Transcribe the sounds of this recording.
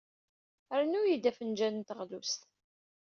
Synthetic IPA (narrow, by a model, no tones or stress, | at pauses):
əɾnʊjid̪æfənd͡ʒænənt̪əʁlust̪